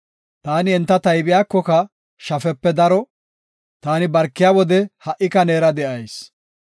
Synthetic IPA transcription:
t̪aːnɪɛnt̪ːɐt̪ɐjbɪjaːkːɔkɐ | ʃɐfɛpːɛd̪ɐɾɔ | t̪aːnɪbɐɾkːɪjaːwɔd̪ɛhɐʔɪkɐneːɾɐd̪ɛʔɐjs

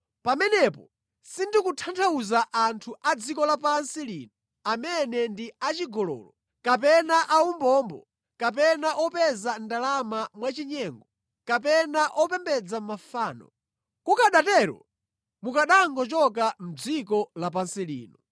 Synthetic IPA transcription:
pamɛnɛpɔ | sindikutʰantʰauzaʔantʰuʔad͡zikɔlap̬ansiliːnɔ | amɛnɛndiat͡ʃiɡɔlɔ̰ːlɔ | kap̬ɛnaʔaumbɔːmbɔ̰ | kap̬ɛnaʔɔpɛzandalamamwat͡ʃiɲɛːŋɡɔ | kapɛnaʔɔpɛmbɛd͡zamafaːnɔ̰ | kukaɗatɛɾɔ̰ | mukaɗaŋɡɔt͡ʃɔk̬am̩d͡zikɔlap̬ansilḭːnɔ

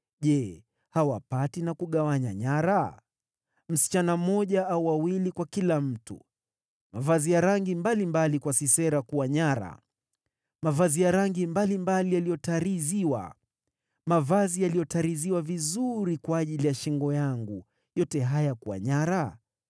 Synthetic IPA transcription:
ʄɛ | hawapatinakuɠawaɲa̰ɲaɾa | m̩si̥t͡ʃanam̩mɔʄaauwawilikwakilam̩tṵ | mavazijaɾaŋɡimbalimbalikwasisɛɾakuwaɲaɾa̰ | mavazijaɾaŋɡimbalimbalijalijɔtaɾiziwa̰ | mavazijalijɔtaɾiziwavizuɾikwaːʄilijaʃɛŋɡɔjaŋɡu | jɔtɛɦajakuwa̰ɲaɾa

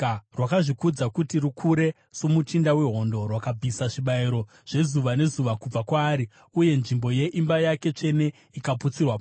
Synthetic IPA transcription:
rwakaʐikud͡zakutirukʰuɾe̞ | so̞mutindawe̞ɦo̞ndo̞rwakab͡visaʂiɓaiɾo̞ | ʐ̥e̞zuʋane̞zuʋakub͡vakwaːɾi | uje̞nʐimbo̞je̞ʔimbajake̞t͡ʂe̞ne̞ | ikaput͡sirwa

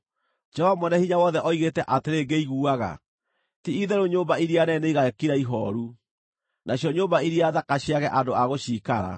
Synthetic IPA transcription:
d͡ʒɔvamɔnɛhiɲawɔðɛʔɔiɣetɛʔateɾeɡeiɣuaɣa̰ | tiiðɛɾoɲoːmbaiɾianɛneiɣakiɾaiɦɔ̰ɾu | naɕjɔɲoːmbaiɾiaðakaɕiaɣɛʔandoaɣoɕiːkaɾa̰

